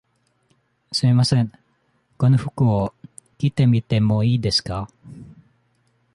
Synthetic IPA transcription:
sɨimasẽ̞ŋ | ko̞noɸɯ̟kɯo | kʲit̪e̞mʲit̪e̞mo̞iːd̪e̞sɨ̥ka

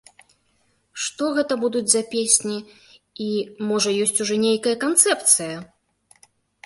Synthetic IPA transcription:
ʂt̪ɔɣɛt̪ɐbud̪ud͡zʲzɐpʲesʲnʲi | imɔʐɐjɔsʲt͡sʲuʐɔnʲejkɐjɐkant̪sɛpt̪sɨjɐ

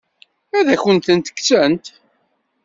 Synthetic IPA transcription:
æðæçənt̪ənt̪ə̥kːt͡sænt̪

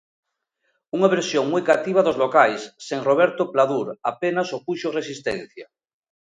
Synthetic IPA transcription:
uŋaβeɾsjoŋmujkat̪iβ̞aðozlokajsːeŋroβ̞eɾt̪oplaðuɾapenasokuʃoresist̪ḛ̃n̟θja

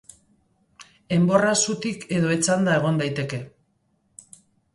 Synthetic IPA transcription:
e̞mbo̞rasut̪ike̞ðo̞e̞t͡sand̪ae̞ɣ̞o̞nd̪ajt̪e̞ke̞

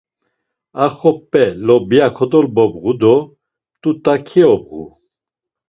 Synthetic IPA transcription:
aχɔpʼːɛlɔbjakʰɔd̪ɔlbɔbʁud̪ɔ | t̪ʼut̪ʼakʰiɔb̚ʁṵ

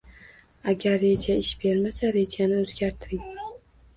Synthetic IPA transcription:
aɡʲaɾːe̞d͡ʒaɪʃbe̞ɾmasaɾe̞d͡ʒanɪɵzɡʲaɾt̪ʰɪɾɪŋ

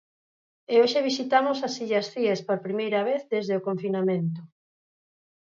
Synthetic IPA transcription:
eoʃeβ̞isit̪amʊsasiʎɐsθiespoɾpɾimejɾɐβeθðezðeokoɱfinamẽnt̪ʊ

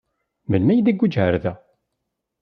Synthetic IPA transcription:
məlmæjd̪iɡʷːud͡ʒhəɾðæ

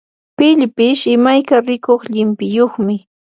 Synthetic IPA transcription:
pɪʎpɪʃɪmajkaɾɪkoχʎɪmpɪjoχmɪ

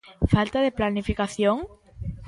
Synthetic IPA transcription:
falt̪aðeplanifikaθjoŋ

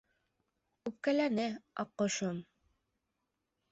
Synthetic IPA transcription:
ʉp̚kælænɘɑ̰qːŏʃom

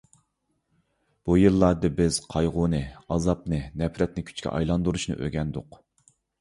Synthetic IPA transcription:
b̥ujɨlˠːɑɾd̪ɨbɪz̥qʰɑjʁʊnɨɑzɑp̚nɨnɛpɾɛt̪̚nɪkʲʰy̥t͡ʃkʲʰɛ̰ʔɑ̰jlˠɑnd̪uɾuʃnɨ̰ʔø̰ɡʲɛnd̪ʊ̰q

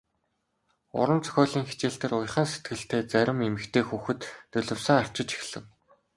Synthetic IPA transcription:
ʊ̰ɾə̆nt͡sʰœ̥xʲɔːɮiːŋxet͡ɕeːɬt̪ĕːɾʊjχə̆ːnset̪ɡɘ̆ɬt̪eːt͡sæɾʲɪ̆memɘ̆kt̪ʰeːxuːxɘ̆t̪ːɵɮɵ̆wsə̆ŋar̥t͡ɕɪ̆t͡ɕi̥xɮɘ̆w

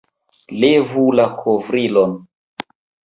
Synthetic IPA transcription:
levulakʰovɾilon

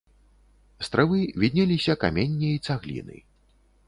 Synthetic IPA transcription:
st̪ɾɛvɨvʲid̪ʲnʲɛlʲisʲɐka̰mʲenʲːiit̪saɣlʲḭnɨ̰

